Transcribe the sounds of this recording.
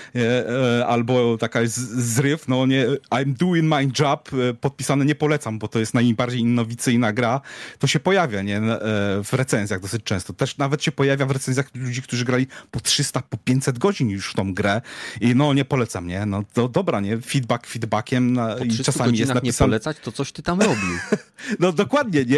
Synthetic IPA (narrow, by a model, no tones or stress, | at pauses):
ɲɛalbɔt̪akazɾɘfnɔɲɛajmd̪uiŋmajd͡ʐappːɔt̪̚pʲisanɛɲɛpɔlɛt̪sambɔt̪ɔjɛst̪najbaɾd͡ʑejinːɔvʲit̪sɘjnaɡɾat̪ɔɕɛpɔjavʲjaɲɛv̥ɾɛt̪sɛnzʲjaɣd̪ɔsɘt͡ɕt͡ʂɛ̃w̃st̪ɔt̪ɛʂnavɛt̪ɕɛpɔjavʲjavɾɛt̪sɛ̃nzʲjaxlud͡ʑik̚t̪uʐɨɡɾalʲipɔtʂɘst̪apɔpʲjeɲt͡ɕʲsɛd̪ɡɔd͡ʑinjuʂft̪ɔ̃w̃ɡɾɛinɔɲɛpɔlɛt̪sa̰mɲɛnɔt̪ɔd̪ɔbɾaɲɛfʲid̪bakfʲid̪bakʲɛmait͡ʂasamʲijɛsnaisanlɛsat͡ɕt̪ɔt̪sɔɕt̪ɘt̪amɾɔbʲinɔd̪ɔkwad̪̚ɲɛɲɛ